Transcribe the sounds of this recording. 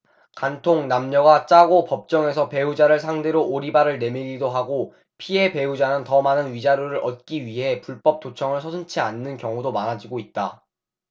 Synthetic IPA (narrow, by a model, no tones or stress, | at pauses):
kantʰoŋnamɲʌɡat͡ɕ͈aɡopʌp̚t͡ɕ͈ʌŋe̞sʰʌpe̞ud͡ʑaɾɯɭs̬ʰaŋde̞ɾoʔːɾibaɾɯɭne̞miɾidoɦaɡo | pʰie̞pe̞ud͡ʑanɯntʌmanɯnɥid͡ʑaɾjoɾɯɾʔʌt̚k͈iɥiɦe̞puɭp͈ʌp̚t͈ʰot͡ɕʰʌŋɯɭsʰʌsʰɯnt͡ɕʰianːɯnkjʌŋudomaɾad͡ʑiɡoit̚t͈a